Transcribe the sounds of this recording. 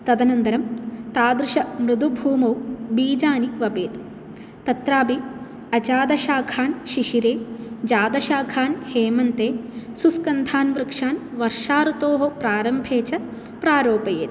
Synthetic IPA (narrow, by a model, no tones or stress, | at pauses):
t̪ɐd̪ɐnɐnd̪ɐɾɐmt̪aːd̪ɾɨʃɐmɾɨd̪ubʱuːmɐwbiːd͡ʒaːniʋɐbeːt̪ | t̪ɐt̪ɾaːbi | ɐt͡ʃaːd̪ɐʃaːkʰaːnʃiʂiɾeːd͡ʒaːd̪ɐʃaːkʰaːnheːmɐnt̪eːsuskɐnd̪ʱaːnʋɾɨkʂaːnʋɐɾʂaːɾut̪oːɦopɾaːɾɐmbʱeːt͡ʃɐ | pɾaːɾoːpɐjḛːt̪